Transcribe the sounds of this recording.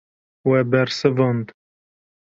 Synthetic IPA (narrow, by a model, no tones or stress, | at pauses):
wɛbɛɾsɨvənd̪